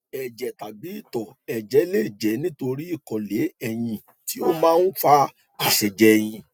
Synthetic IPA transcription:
ɛ˨d͡ʒɛ˨ta˨bi˨˦i˦˨tɔ˨ɛ˨d͡ʒɛ˨˦le˦˨d͡ʒɛ˨˦nĩ˦to˧ɾi˦i˦˨kɔ˨le˨˦ɛ˧jĩ˧ | ti˨˦o˦mãː˦n̩˦fa˦ | ka˨ʃɛ˨d͡ʒɛ˦˧j̃ĩ˧

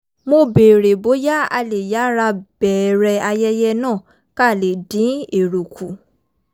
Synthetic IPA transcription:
mo˧be˨ɾe˨bo˨˦ja˦a̰˧le˨ja˨˦ɾa˧b̥ɛ˨ɾɛ˧a˧jɛ˦jɛ˦nãː˦˨ | ka˦˨le˨dĩ˨˦e˨ɾo˨kʰu˨

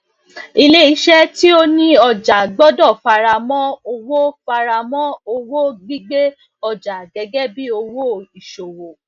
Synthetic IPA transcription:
i˦˧le˦i˧˦ʃɛ˦ti˦o˦nĩ˦ɔ˧˨d͡ʒa˨ɡ͡bɔ˦dɔ˦˨fa˨˧ɾa˧mɔ̃˦o˧wo˦fa˧ɾa˧mɔ̃˦o˧wo˦ɡ͡bi˦ɡ͡be˦ | ɔ˧˨d͡ʒa˨ɡɛ˨˧ɡɛ˦bi˦o˧wo˦˨i˨ʃo˨wo˨

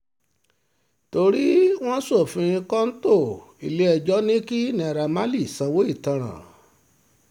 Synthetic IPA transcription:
to˧ɾi˦w̃ɔ̃˦so˦˨fĩ˧ĩ˧kã˦n̩˦to˦˨ḭ˨le˦ɛ˧˨d͡ʒɔ˦nĩ˦ki˦nĩ˨˧ɛ˨ɾa˧ma˦li˦˨sã˨˧wo˦i˦˨tã˧ɾ̃ã̰˨

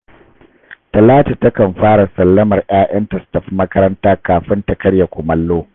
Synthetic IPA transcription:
tɐ˨laː˦ta˨tɐ˦kɐ˨mɸaː˦ɽa˨sɐ˨lːɐ˦mɐ˨rʔaː˦ʔɐ˦ntɐ˨stɐ˨ɸmɐ˦kɐ˦ɾɐ˦ntaː˦kaː˨ɸɪ˦ntɐ˨kɐ˦ɽja˨kʷʊ˨mɐ˦lːoː˦

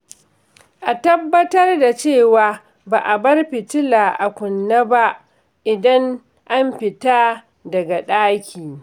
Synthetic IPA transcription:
ʔa˨tɐ˦bːɐ˦tɐ˦rda˨t͡ʃeː˦˨waː˨ | baː˨ʔa˨bɐ˦rɸɪ˨tɪ˦la˨ʔa˨kʷʊ˨nːa˦ba˦ʔ | ʔɪ˨dɐ˦ŋ | ʔa˦mɸɪ˨taː˦ | dɐ˨ɡa˨ɗaː˦kʲiː˨

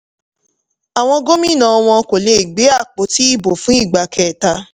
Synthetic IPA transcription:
a˨w̃ɔ̃˧ɡo˦mĩ˦˨nã˧˨ɔ˧w̃ɔ̃˧ko˨le˧i˨ɡ͡be˨˦a˦˨k͡po˨˦ti˦i˦˨bo˨fũ˨˦i˦˨ɡ͡ba˨kʰɛ˨ta˧

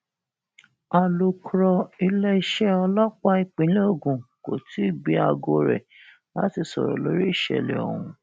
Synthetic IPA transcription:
a˧lu˧kɾɔ˧i˧lɛ˦i˦ʃɛ˦ɔ˧lɔ˦k͡pa˦i˧k͡pĩ˨˦lo˦˨ɡũ˨ko˨ti˦˨ɡ͡bi˨˦a˧ɡo˧ɾɛ̰˨ | la̰˨˦ti˧˨sɔ˨ɾɔ̰˨lo˨˦ɾi˦i˦˨ʃɛ̰˨lɛ̰˨ɔ̰˨wũ˧

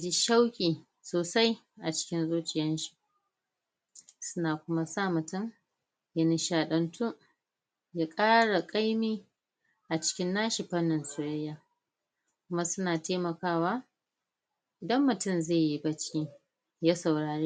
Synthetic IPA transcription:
d͡ʒi˦ʃa˦wkʲʼiː˨ | soː˨sa˦j | ʔa˨t͡ʃɪ̥˦kʲɪ˦nzoː˦t͡ʃʼɪ˨jɐ˦nʃi̥˨ʔ | sʊ˦naː˨kʷʊ˦ma˦sa˦˨mʊ˨tʊ˦˨m | ja˦ni˨ʃaː˨ɗɐ˨ntʰu˦ | jaː˦kʼaː˦ɽa˨kʼa˦jmiː˦ | ʔa˨t͡ʃɪ̥˦kʲɪ˦nːaː˦ʃɪ˨ɸɐ˦nːɪ˨nsʊ˨ɽɐ˦jːaː˦ | kʷʊ˦ma˦sʊ˦naː˨teː˦mɐ˨kaː˦˨waː˦ | ʔɪ˨dɐ˦mːʊ˨tʊ˦mzeː˦˨ji˦bɐ˦t͡ʃki˦ | ja˦sa˨wɽaː˨ɽiː˦

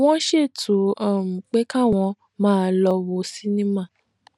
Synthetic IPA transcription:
w̃ɔ̃˦ʃe˦˨tu˨ɔ˨mũ˨k͡pe˦kã˦˨w̃ɔ̃˧ | mãː˦˧lɔ˧wo˧˦si˦nĩ˦mã˦˨

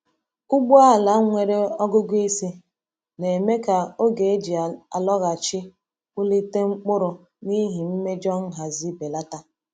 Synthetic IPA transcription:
ʊ˦ɡ͡bu˦a˦˨la˨˦ŋʷe˨ɾe˦ɔ˦ɡʊ˦ɡʷe˦si˦ | ne˨me˦ka˨o˦ɡe˨e˦d͡ʒi˨a˨a˨lɔ˦ɣa˨t͡ʃɪ˦ | ʊ˦li˦te˦ŋ͡m̩˦k͡pʊ˦ɾʊ˨ | ni˦ɦi˨m̩˦me˦d͡ʒɔ˦ŋ̩˦ɦa˨zi˦be˨la˦ta˦

